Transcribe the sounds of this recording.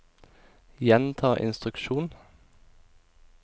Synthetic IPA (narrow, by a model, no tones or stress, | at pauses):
jɛnt̪ʰɑːʔɪ̰nst̪ʁʉkʃuːn